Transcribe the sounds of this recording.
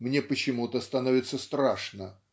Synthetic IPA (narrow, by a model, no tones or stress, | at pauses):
mnʲepət͡ɕɪmut̪əst̪ɐnovʲɪt̪səst̪ɾaʂnə